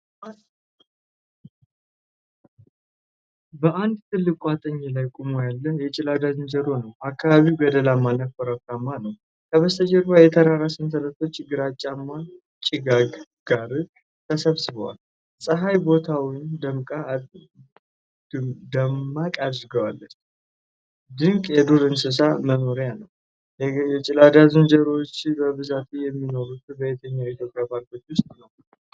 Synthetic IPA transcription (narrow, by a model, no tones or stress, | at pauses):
bəʔand̪t̪ʰɨlːɨkʼuat̪ʼəɲːlajkʼumojalːəhjɛt͡ʃʼɪlad̪ad͡ʒɨnd͡ʒəɾo̞nəwʔakʰːaβaβiwɡəd̪əlamːanəfəɾakamːanəw | kʰəβəst̪ʰəd͡ʒɛɾbajɛt̪ʰəɾaɾasɨnsəɾət̪ʰo̞t͡ʃːɪɡɨɾat͡ʃʼːamːa | t͡ʃʼːɪɡaɡɡ̥aɾɨ | t̪ʰəsəβsɨβəwa̰l | sʼəɦajbo̞t̪ʰawind̪əmkʼa | d̪əmːakʼad̪ɨɾɡəwalːət͡ʃː | d̪ɨŋkʼjɛd̪olɨnsɨs̬aməno̞ɾjanəw | jɛt͡ʃʼɪlad̪azund͡ʒəɾot͡ʃːbəβɨzat̪ʰujɛmːino̞ɾut̪ɨbəjɛt̪ʰəɲːait̪ʰjo̞pʼjabaɾkot͡ʃʼːwʊst̪ʼnəw